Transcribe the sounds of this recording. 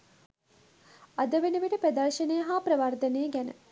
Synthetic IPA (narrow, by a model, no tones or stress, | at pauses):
ɐd̪əʋenəʋiʈəpɾɐd̪ɐrʃənejəɦaːpɾɐʋɐrd̪ɐnejəɡænə̰